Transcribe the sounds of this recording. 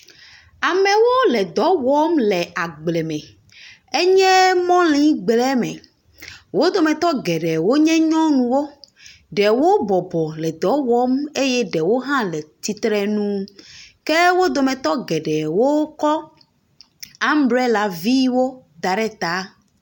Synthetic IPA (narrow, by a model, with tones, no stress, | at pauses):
a˨mɛ̃˨wo˦lɛ˨d̪ɔ˨˦wɔ˦mlɛ˨a˨ɡ͡blɛ˨mɛ̃˨ | e˦ɲɛ̃˦mɔ̃˦lĩ˦ɡ͡blɛ˦mɛ̰̃˨ | wo˦d̪o˨mɛ̃˨t̪ɔ˦ɡɛ˨ɖɛ˨wo˦ɲɛ̃˦ɲɔ̃˦nũ˨wo˦ | ɖɛ˨wo˦bɔ˨bɔ˨lɛ˨d̪ɔ˨˦wɔ˦me˦jɛ˦ɖɛ˨wo˦ɦã˦lɛ˨t̪i˨t̪ɾɛ˦nũ˦ke˦wo˦d̪o˨mɛ̃˨t̪ɔ˦ɡɛ˨ɖɛ˨wo˦kɔ˦ | a˦m˦bɾe˦la˨vi˦wo˦d̪a˨ɖɛ˦t̪a˦